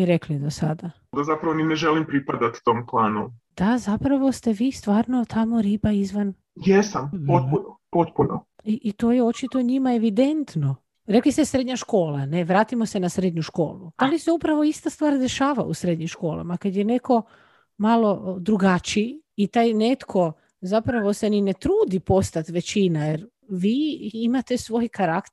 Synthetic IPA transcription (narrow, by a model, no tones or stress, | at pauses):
iɾeklid̪osad̪a | d̪azapɾaʋonineʒelimpɾipad̪at̪t̪oːmplˠaːnod̪̥azapɾaʋo̞st̪eʋiːst̪ʋaːɾno̞t̪ʰamo̞ɾiːbaizʋan | jesampot̪̚punopot̪punoiʔt̪o̞ːjeo̞t͡ʃit̪oɲimaeʋid̪e̞nt̪no̞ | ɾeklisesɾed̪ɲaʃko̞ːlane̞ʋɾaːt̪imo̞se̞nasɾe̞d̪ɲuʃko̞ːlˠualiseupɾaʋo̞ist̪ast̪ʋaːɾd̪e̞ʃaːʋa̰usɾe̞d̪ɲimʃko̞ːla̰makad̪jene̞ko̞ | malo̞d̪ɾuɡat͡ʃiːt̪aːjne̞t̪kʰo̞ | zapɾaʋo̞senine̞t̪ɾuːd̪ipo̞st̪at̪ʋe̞t͡ɕinajeɾ | ʋiːimat̪e̞sʋo̞ːjkaɾakt̪